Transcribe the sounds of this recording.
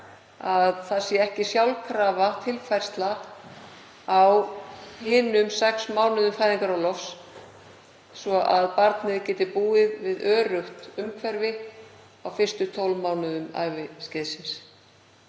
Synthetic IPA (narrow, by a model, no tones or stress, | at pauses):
aðθasjɛɛhcɪsjawlkʰɾaːvat̪ʰɪlfajr̥st̪la | awhɪːnːʏmsɛksmaːwnʏðʏmfajðiŋkaɾawlɔfs | svɔʔaðpaɾt̪nɪðcɛːt̪ɪpuːɪðvɪðœːɾʏxt̪ʏmkʰvɛɾvɪ | awfɪrst̪ʏt̪ʰɔwlmaːwnʏðʏma̰jvɪscɪːðsɪns